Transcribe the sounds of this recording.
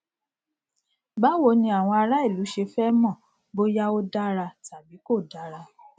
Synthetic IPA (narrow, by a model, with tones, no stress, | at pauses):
ba˦wo˧˦nĩ˧a˨w̃ɔ̃˧a˧ɾa˦i˦˨lu˨˦ʃe˧fɛ˦mɔ̃˦˨ | bo˦ja˦o˦da˦ɾa˧ta˨bi˨˦ko˦˨da˨˦ɾa˧